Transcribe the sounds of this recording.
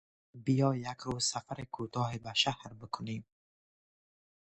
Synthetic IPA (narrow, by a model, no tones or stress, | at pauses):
bijɔːjakɾuːzsafaɾikʰut̪ʰɔːɦibaʃahɾbɪkʰʊnem